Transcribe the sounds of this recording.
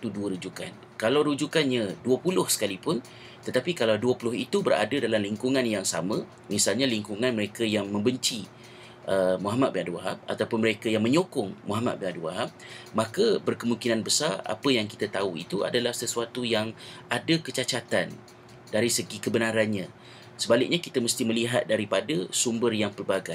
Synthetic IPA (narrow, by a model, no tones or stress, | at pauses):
t̪uduəɾud͡ʒuka̰n | kalawɾud͡ʒukanɲãduəpulʊhsə̥kalipʊn | t̪ət̪apikalawduəpulʊhit̪ubərɾa̰dadalamliŋkuŋãnjaŋsa̰mə̃ | misalɲaliŋkuŋanməɾekajaŋmə̃mbəɲt͡ʃi | ʔəmuɦamat̪̚binaduwaɦa̰m̚a̰t̪awpʊnməɾekajaŋmə̃ɲokʊŋmuɦama̰t̪̚binaduwaɦam̚ | makəbərkəmuŋkinanbəsara̰pəjaŋkit̪at̪auḭt̪ua̰dalahsəsuat̪ujaŋʔadəkət͡ʃat͡ʃat̪an | daɾisəɡikəbənaɾanɲã | səbalɪk̚ɲakit̪əməst̪iməliɦat̪̚daɾipadəsumbərjaŋpərbaɡaj